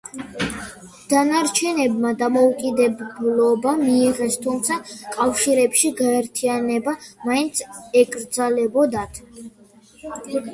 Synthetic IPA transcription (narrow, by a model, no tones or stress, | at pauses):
d̪̥anaɾt͡ʃʰɛnɛbmad̪amɔukʼid̪ɛbblɔbamiːʁɛst̪ʰumt̪sʰakʼafʃiɾɛpʃiɡaɛɾt̪ʰianɛbamaint̪sʰɛkʼɾd̪zalɛbɔd̪at̪ʰ